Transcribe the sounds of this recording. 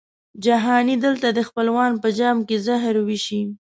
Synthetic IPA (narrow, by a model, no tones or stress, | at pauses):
d͡ʒaɦɑnid̪əlt̪ad̪əxpəlwɑnpəd͡ʒɑmkezaɦɾwiʃi